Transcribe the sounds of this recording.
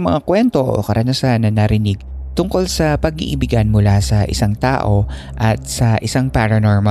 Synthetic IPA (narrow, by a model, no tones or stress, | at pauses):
mɐŋakwɛnt̪o̞ʔo̰kɐɾʔɐnɐsanːɐnɐɾɪnɪɡ̚ | t̪ʊŋko̞lsɐpɐɡḭʔɪbɪɡɐnmʊlasɐʔɪ̰saŋt̪a̰ːʔo̞ | ʔɐt̪̚sɐʔɪsaŋpaɾɐno̞ɹmɐ